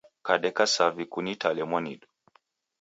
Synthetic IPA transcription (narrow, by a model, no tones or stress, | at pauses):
kaɗɛkasavikunitʰalɛmwanidu̥